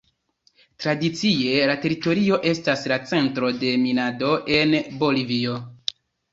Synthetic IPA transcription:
tɾadit͡sie̞late̞ɾito̞ɾio̞ʔe̞staslat͡se̞ntɾo̞de̞minado̞e̞nbo̞livio̞

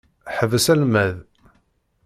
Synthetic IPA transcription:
ħəvəsælmæð

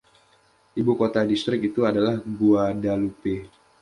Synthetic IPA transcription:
ʔibukot̪adist̪ɾɪkit̪uadalahɡuadalupe

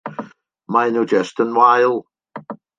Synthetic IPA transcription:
maɪnod͡ʒɛstə̃nwaɪlˠ

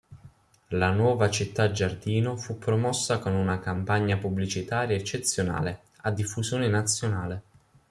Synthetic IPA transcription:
lanwɔːvat͡ʃit̪ːad͡ʒard̪iːnofupːɾomɔsːakonunakampaɲːapublit͡ʃit̪aːɾjaɛt͡ʃːet̪sːjona̰ːle | ad̪ːifːuzjoːnɪnat̪sːjonaːle

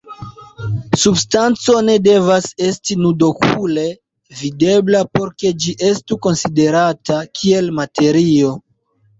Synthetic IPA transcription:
substant͡so̞ne̞de̞vase̞stinudo̞kʰule̞ | vide̞blapo̞ɾke̞d͡ʒiʔe̞stuko̞nside̞ɾatakʰie̞lmatʰe̞ɾio̞

